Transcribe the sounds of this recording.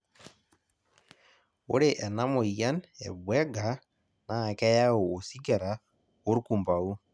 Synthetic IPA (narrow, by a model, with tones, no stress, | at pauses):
o˦ɾe˨ʔɛ˨na˦mɔ˨ija˦nɛ̰˨bwɛ˦ɡa˨ | na˨kɛ˦ja˦o˨o˨si˦ɡɛ˨ɾa˨ | o˦ɾku˨mba˨u˦